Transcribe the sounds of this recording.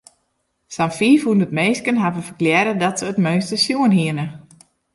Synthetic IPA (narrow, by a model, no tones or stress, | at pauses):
samfiːfundətmejskənɦavəfəkljɛɾədɔtsəːtmøːnstəsjuənɦiənə